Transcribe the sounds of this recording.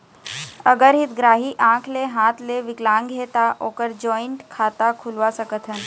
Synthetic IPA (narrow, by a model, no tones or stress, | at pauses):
əɡəɾɦit̪ɡɾaːɦiʔãːkʰleɦãt̪leʋiklãːŋɡɦet̪aʔoːkəɾd͡ʒɔiɳʈkʰat̪akʰulʋasəkət̪ʰən